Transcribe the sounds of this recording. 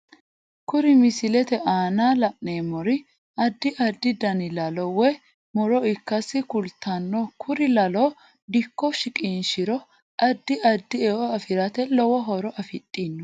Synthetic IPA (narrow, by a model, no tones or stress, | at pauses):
kʊɾɪmɪsɪlɛt̪ɛʔaːnaːlɐʔneːmɔɾɪ | ɐd̪ːɪʔɐd̪ːɪd̪ɐnɪlɐlɔwɛ | mɔɾɔɪkːɐsɪkʊlt̪ʰːanːokʰʊɾɪlɐlo | d̪ɪkːɔʃɪkʼinʃɪɾɔ | ʔɐd̪ːɪʔɐd̪ːɪɛɔɐfɪɾɐt̪ɛlɔwɔɦɔɾɔʔɐfɪtʼːinː